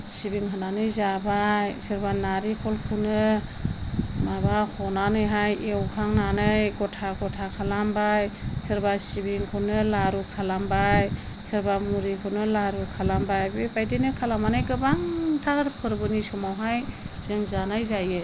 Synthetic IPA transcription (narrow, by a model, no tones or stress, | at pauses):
sibiŋɦɯnanɯjzabajsɯɾbanaɾikʰɔlkʰunɯ | mabahʰɔnanɯjɦajʔewkʰaŋnanɯjɡɔtʰaɡɔtʰakʰalambajsɯɾbasibiŋkʰɯnɯlaɾukʰalambaj | sɯɾbamuɾikʰɯnɯlaɾukʰalambajbebajdenɯkʰalamanɯjɡɯbaŋtʰaɾpʰɯɾbɯnisɔmawɦajz̥ɯŋzanajzajɯ